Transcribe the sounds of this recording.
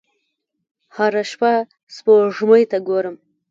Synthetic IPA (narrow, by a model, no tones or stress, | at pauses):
haɾaʃpa | spoʐmojt̪aɡoɾəm